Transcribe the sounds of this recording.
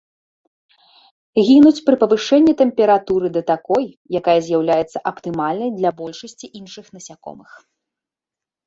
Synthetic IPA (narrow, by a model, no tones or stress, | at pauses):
ɣʲinut͡sʲpɾɨpɐvɨʂɛnʲːit̪ɛmpʲɛɾat̪uɾɨd̪ɐt̪akɔj | jakajɐzʲjawlʲajɛt̪sːɐʔɐpt̪ɨmalʲnɐjd̪lʲɐbɔlʲʂɐsʲt͡sʲiʔinʂɨxnɐsʲakɔ̰mɨx